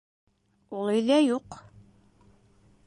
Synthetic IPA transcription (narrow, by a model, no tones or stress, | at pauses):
ulˠɘ̆jlæjuq